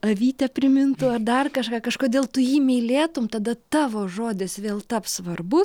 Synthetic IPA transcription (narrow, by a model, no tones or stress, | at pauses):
ɐʋʲiːt̪ʲɛpʲɾʲɪmʲɪnt̪ʊɐrd̪ɐrkɐʃkɑːkɐʃkoːd̪ʲeːlˠt̪ʊjiːmʲɛɪlʲeːt̪ʊmt̪ɐd̪ɐt̪ɑːʋoːʒoːd̪ʲɪsʋʲeːlˠt̪ɐpsʋɐrbʊs